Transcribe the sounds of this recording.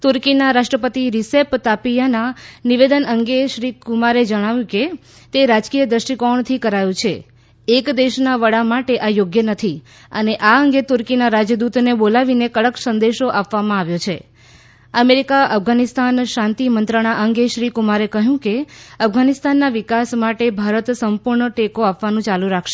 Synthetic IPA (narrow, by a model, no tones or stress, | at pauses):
t̪uɾkinaɾaʃʈɾəpət̪iɾisept̪apijananiʋed̪ənəŋɡeʃɾikumaɾed͡ʒəɽ̃aʋjũke | t̪eɾad͡ʒkijəd̪ɾəʃʈikɔɳt̪ʰikəɾajũt͡ʃʰeː | kd̪eʃnaʋəɽamaʈeʔajoɡjənət̪ʰi | əneʔaəŋɡet̪ʊɾkinaɾad͡ʒjəd̪ut̪nebolaʋinekəɭəksənd̪eʃoʔapʋamãaʋjot͡ʃʰe | əmeɾikaəfɡanist̪anʃãnt̪imənt̪ɾəɽ̃aʔəŋɡeʃɾikumaɾekəɦjũkeəfɡʱanɪst̪anːaʋɪkasmaʈebʱaɾət̪səmpuɾɳəʈekoapʋanũt͡ʃalũɾakʰʃe